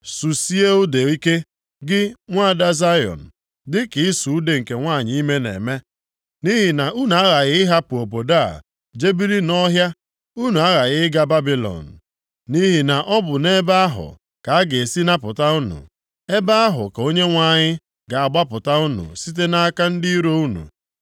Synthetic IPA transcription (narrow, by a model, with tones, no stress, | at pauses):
su˨si˦e˦o˦de˨i˦ke˦ | ɡɪ˦ŋʷa˦˨da˦za˦jɔ̰˨n̩˨ | dɪ˦kɪ˨ɪ˦su˨u˦de˨ŋ̩˨ke˨ŋʷa˦˨ɲɪ˦i˦me˦nḛ˨me˦ | ni˦ɦi˨na˨u˦nu˨a˦ɣa˨ɣɪ˦ɪ˦ɦa˦pʊ˨o˨po˨da˦˨ | d͡ʒe˦bi˦ɾi˦nɔ˦ɦja˦ | u˦nu˨a˦ɣa˨ɣɪ˦ɪ˦ɡa˦ba˦bi˨lɔ̰˨n̩˨ | ni˦ɦi˨na˨ʔɔ˦bʊ˨ne˦ba˦a˦ɦʊ̰˨ | ka˨a˦ɡe˨e˨si˦na˦pʊ˨ta˦u˦nṵ˨ | e˦ba˦a˦ɦʊ̰˨ko˦ɲe˦ŋʷa˦˨ɲɪ˦ | ɡa˨a˨ɡ͡ba˦pʊ˨ta˦u˦nṵ˨si˦t̬e˦na˦ka˦n̩˦dɪ˦i˦ɾo˦u˦nṵ˨